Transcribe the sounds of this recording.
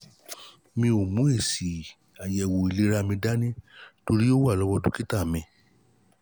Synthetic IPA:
mĩ˧o˨mũ˨˦e˦˨si˨ | a˨jɛ˨wo˨i˨le˨˦ɾa˦mĩ˧da˦nĩ˦to˧ɾi˦jo˦wa˦˨lɔ˦wɔ˧dũ˦ki˦ta˦˨mĩ˨˧˨

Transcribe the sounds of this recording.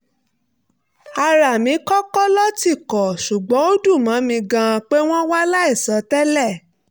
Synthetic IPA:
a˧ɾa˨mĩ˨˦kɔ˦kɔ˦lɔ˦ti˦˨kɔ˨ʃu˨ɡ͡bɔ̃˨˦o˦du˦˨mã˨˦mĩ˧ɡã˧k͡pe˦w̃ɔ̃˦wa˦la˦i˦˨sɔ˨˦tɛ˦lɛ˦˨

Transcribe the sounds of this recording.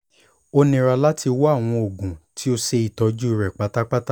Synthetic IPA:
o˧nĩ˨ɾa˧la˦tʰi˧wɔ˦a˦˨w̃ɔ̃˧o˨ɡũ˨tʰi˦o˧ʃe˧i˨tɔ˧˦d͡ʒu˦i˧˨ɾɛ˨k͡pa˨˦ta˦k͡pa˦ta˦

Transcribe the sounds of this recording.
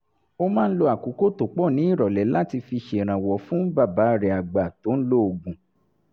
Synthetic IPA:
o˦mãː˦n̩˦lo˧a˨ku˨˦ko˦to˨k͡pɔ˦˨nĩ˨˦i˦˨ɾɔ˨lɛ˨˦la˦˨ti˧fi˧ʃe˨ɾ̃ã˨wɔ˨fũ˦ba˦˨ba˨˦˨ɾɛ˨a˨ɡ͡ba˨to˨˦n̩˦lo˦o˨ɡũ˨

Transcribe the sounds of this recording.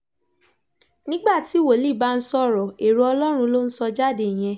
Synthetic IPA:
nĩ˦ɡ͡ba˦˨ti˨˦wo˨li˦˨ba˦n̩˦sɔ˦˨ɾɔ˨e˨ɾu˧˦ɔ˧lɔ˦ɾ̃ũ˧lo˦n̩˦sɔ˧d͡ʒa˦˨de˨j̃ɛ̃˧

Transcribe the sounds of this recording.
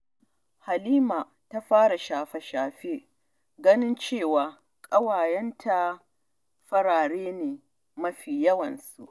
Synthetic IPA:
ha˨liː˦maː˨ | ta˦ɸaː˦ɽa˨ʃaː˨ɸɛ˨ʃaː˨ɸeː˦ | ɡɐ˦nɪ˦nt͡ʃeː˦˨waː˨ | kʼɐ˦waː˨jɛ˦ntʰa˦ | ɸɐ˦ɽaː˨ɽeː˦neː˨ | mɐ˦ɸiː˨jɐ˦wɐ˨nsu˨ʔ

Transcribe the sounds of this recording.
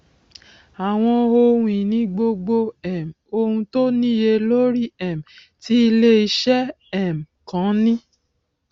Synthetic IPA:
a˨w̃ɔ̃˧o˧hũ˧˨ĩ˨nĩ˧˦ɡ͡bo˧ɡ͡bo˧ɛ˨m˨o˧hũ˧to˦nĩ˦je˧lo˦ɾi˦ɛ˨m̩˨ | ti˦i˧le˦i˧ʃɛ˦ | ɛ˦˨m˨kã˨˦nĩ˦

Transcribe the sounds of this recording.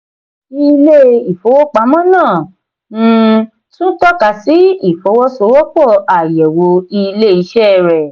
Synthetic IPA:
i˧le˦i˨fo˨˦wo˦k͡pa˧˦mɔ̃˦nãː˦˨˦ | tũ˦tɔ˦ka˨˧si˨˦i˦˨fo˨˦wo˦so˧˦wo˦k͡pɔ˦˨a˨jɛ˨wo˨˦i˧le˦i˧˦ʃɛ˦˨ɾɛ˨

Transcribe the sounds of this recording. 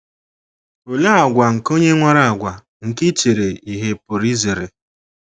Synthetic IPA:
o˨la˦a˨ɡʷa˨ŋ̩˨ko˦ɲe˦ŋʷa˦ɾa˦a˨ɡʷa˨ | ŋ̩˨ki˦t͡ʃe˨ɾe˨i˨ɦe˨po˨ɾi˦ze˨ɾe˨

